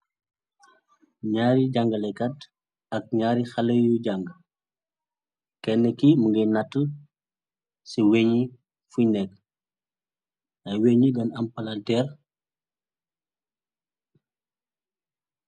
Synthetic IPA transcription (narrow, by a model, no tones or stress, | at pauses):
ɲaːɾiɟaŋɡɐlɛkɐt | ɐk̚ɲaːɾixɐlɐjuɟaŋɡ | kɛnːəkimuŋɡɐjnɐtːə | siweɲi | funɛkː | ɐjweɲiɡɐnɐmpɐlɐltɛːr